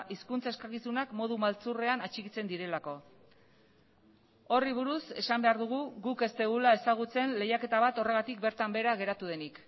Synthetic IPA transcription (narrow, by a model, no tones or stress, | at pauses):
ʔiskunt͡sae̞skakisunakmo̞ð̞umalt͡sure̞anat͡ʃikit͡se̞nd̪iɾe̞lako̞ | o̞riβ̞uɾuse̞sambe̞aɾðuɣ̞uɣuke̞st̪eɣ̞ulae̞saɣ̞ut͡se̞nle̞jake̞t̪aβ̞at̪o̞re̞ɣ̞at̪ik̚be̞ɾt̪ambe̞ɾaɣ̞e̞ɾat̪uð̞e̞nik